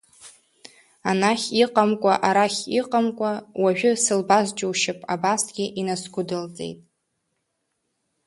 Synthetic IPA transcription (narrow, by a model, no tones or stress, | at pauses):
anaχʲiqʼamkʷʼaʔaɾaχʲiqʼamkʷʼawaʒᶣʊsɨlbazd͡ʒʼɪwʃɪpʼabasɡʲɪʔinasɡʷʊdɨlt͡sʼḛjtʼ